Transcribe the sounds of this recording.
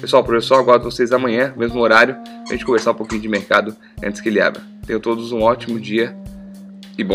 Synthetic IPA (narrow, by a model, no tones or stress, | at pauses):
peswawpɾofesoɾaɡwaɾd̪ɐ̃vosezamɐ̃ɲ̃ɐ̃mezmʊoɾaɾjʊ | ɐʒẽnt͡ʃɪkõveɾsaɾũpokĩɲ̃ʊd͡ʒɪmeɾkad̪ʊ | ɐ̃t̪ɪ̥skɪlia̰bɾɐt̪ẽj̃ʊt̪od̪ʊzũɔt͡ʃimʊd͡ʒiɐ | ɪbõ